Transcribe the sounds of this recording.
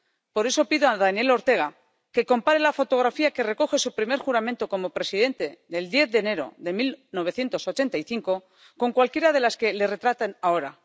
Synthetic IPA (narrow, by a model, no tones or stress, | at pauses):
po̞ɾe̞so̞piðoaðanje̞lo̞ɾt̪e̞ɣ̞a | ke̞ko̞mpaɾe̞lafo̞t̪o̞ɣ̞ɾafiake̞re̞ko̞xe̞supɾime̞ɾxuɾamẽnt̪o̞ko̞mo̞pɾe̞siðe̞nt̪e̞ðe̞ld̪je̞θðe̞ːne̞ɾo̞̰ðe̞milno̞βe̞θje̞nt̪o̞so̞t͡ʃe̞nt̪ajθiŋko̞ | ko̞ŋkwalkje̞ɾað̞e̞laske̞le̞re̞t̪ɾat̪anao̞ɾa